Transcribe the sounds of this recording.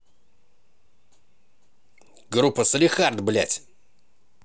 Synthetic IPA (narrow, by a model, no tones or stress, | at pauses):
ɡɾupʰːɐsɨlʲixard̪blʲa̰tʲ